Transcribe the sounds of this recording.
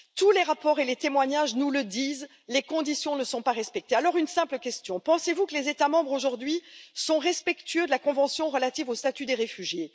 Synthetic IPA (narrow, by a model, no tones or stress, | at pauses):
t̪uleʁapɔʁelet̪emwaɲaʒnuləd̪iːz | lekɔ̃d̪isjɔ̃nəsɔ̃paʁɛspɛk̚t̪ealɔʁynsɛ̃pləkʲɛst̪jɔ̃pɑ̃sevukəlezet̪amɑ̃bʁoʒuʁd̪ɥisɔ̃ʁɛspɛkt̪ɥød̪əlakɔ̃vɑ̃sjɔ̃ʁəlat̪ivost̪at̪yd̪eʁefyʒje